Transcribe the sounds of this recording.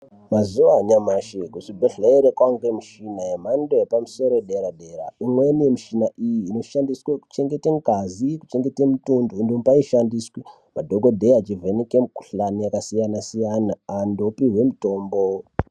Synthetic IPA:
mazuʋaɲamaʃekusibʱeɬeeɾekwaŋɡemiʃinajem̤andojepamuso̞ɾoɗe̞ɾaɗe̞ɾa̰imwenijemiʃinaʔijiːno̞ʃandisweku̥t͡ʃe̞ŋɡe̞teŋkaziku̥t͡ʃe̞ŋɡe̞temutundondompaiʃandiswi | madʱoɡodʱe̞at͡ʃivʱenekemuku̥ɬanijakasijanasijanaːndo̞piɦwe̞muto̞ːmbo

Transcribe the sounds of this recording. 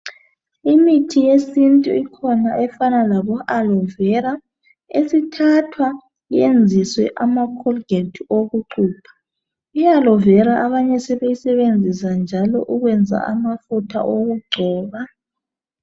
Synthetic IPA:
imitʰijesintʼuikʰɔnaʔɛfanalaβɔʔalɔvɛɾa | esitʰatʰwa | jend͡zʱiswɛʔamakʰɔlɡetʰioɣuǃʰuːpʰḁ | ialɔvɛɾaʔaβaɲɛsɛβejisɛβend͡zʱisand͡ʒʱalɔ̰ʔuɣwɛnd͡zʱa̰amafutʰa̰ʔoɣuɡ͡ǀʱɔːβa

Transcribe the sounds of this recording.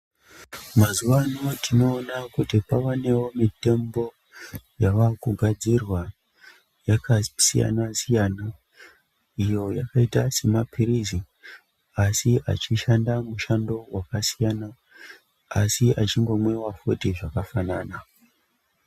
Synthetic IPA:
mazuʋanotʰino̞ːnakutipawane̞wo̞mite̞mbo̞ | jaʋakuɡʱad͡zirwa | jakasija̰nasijana | ijo̞jakaitase̞mapiɾizi | asiʔa̰t͡ʃiʃandamuʃando̞wakasijana | asiat͡ʃiŋɡo̞mwewafotiʐakafanaːna

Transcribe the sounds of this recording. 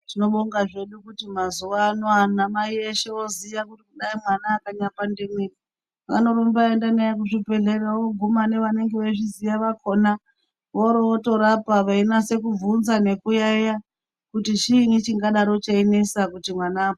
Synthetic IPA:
tino̞ɓoŋɡaʐe̞ɗukutimazuʋanoanamaieʃeozijakutikuɗaimwanaːkaɲapandemweni | a̰no̞ɾombaendanajak̬uʐipe̞ɮeɾaoɡʱumane̞ʋane̞ŋɡeʋeʐizijaʋakʰo̞na | ʋoɾoːto̞ɾapaʋainase̞kuvunzane̞kujaja | kutit͡ʃiːnit͡ʃiŋɡaɗaɾo̞t͡ʃainesakutimwanaːpo

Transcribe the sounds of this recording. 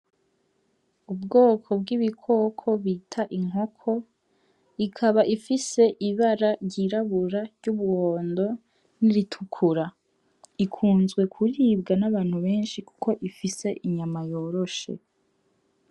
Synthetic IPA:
ubɡo̞ːkʰo̞bɡiβikʰo̞ːkʰo̞βiːtʰaʔiŋ̥ɦo̞kʰo̞ | ikʰaβaʔifise̞ʔiβaɾaɾɟiɾaβuɾaɾɟuβuwo̞ːndo̞ | niɾitʰukʰuɾa | ikʰuːnzɡwe̞kʰuɾiːbɡanaβaːn̥huβeːnʃiku̥ko̞ʔifise̞ʔiɲamajo̞ːɾo̞ʃe̞̰

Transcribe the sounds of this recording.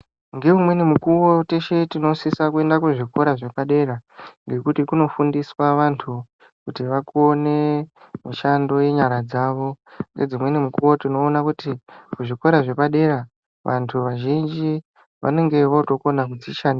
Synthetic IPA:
ŋɡe̞umwe̞nimukuwo̞te̞ʃe̞tino̞sisakue̞ndakuʐiko̞ɾaʐe̞paɗe̞ɾaŋɡe̞kutikuno̞fundiswaʋantʰu | kutiʋakuone̞ | miʃando̞je̞ɲaɾad͡zaʋo̞ŋɡe̞̰d͡zimwe̞nimukuwo̞tino̞ːnakutikuʐiko̞ɾaʐe̞paɗe̞ɾa | ʋʔa̰ntʰuʋaʒind͡ʒi | ʋʔa̰ne̞ŋɡe̞ʋoto̞konak̬ud͡ziʃana

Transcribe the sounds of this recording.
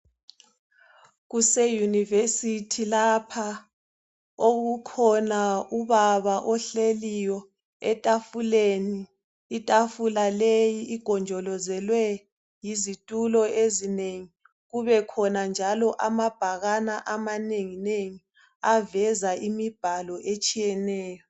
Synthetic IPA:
ɣusɛjunivesitʰilapʰa | oɣukʰɔnauβaβaʔɔɬelijɔ | ɛtʼafuleniː | tʼafulalejiʔːɡ̥ʱɔnd͡ʒʱɔlɔzɛlwɛ | jizitʼulɔezineŋi | ɣuβɛkʰɔnand͡ʒʱalɔʔamab̥ʱaɣanaʔamaneŋineŋi | avɛzaʔimib̥ʱalɔʔet͡ʃʼijɛnɛːjɔ

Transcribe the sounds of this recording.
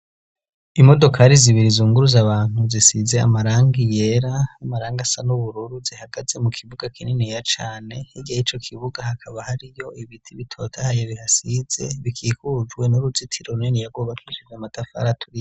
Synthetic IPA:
imo̞do̞kʰaɾiziβiɾizuːŋɡuɾuzaβaːn̥huzisize̞a̰maɾaːŋɡije̞ɾaamaɾaːŋɡasanuβuɾuɾuzihaɡ̥aze̞mukʰiβuɡakʰininejat͡ʃaːne̞hiɡajit͡ʃo̞kʰiβuɡahakʰaβahaɾijo̞iβitʰiβitʰo̞tʰahajeβihasiz̥e̞̰βikʰiːkud͡ʒɡwe̞nuɾuzitʰiɾoɾunenijaɡoβatwiʃizamatʰafa̰ɾatʰuɾi

